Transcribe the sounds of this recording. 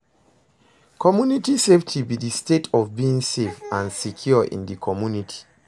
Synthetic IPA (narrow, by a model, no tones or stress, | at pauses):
kʰɔmjunitiseftʰibidistetʰɔvbiĩŋsefãnsikʰjuʔḭ̃ndikʰɔmjunitʰi̥